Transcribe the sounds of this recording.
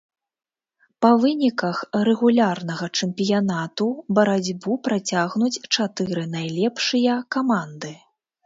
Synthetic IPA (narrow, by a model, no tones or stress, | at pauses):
pɐvɨnʲikɐxrɛɣulʲarnɐɣɐt͡ʂɛmpʲijanat̪ubɐɾad͡zʲbupɾat͡sʲaɣnut͡sʲt͡ʂat̪ɨɾɨnajlʲɛpʂɨjɐkamand̪ɨ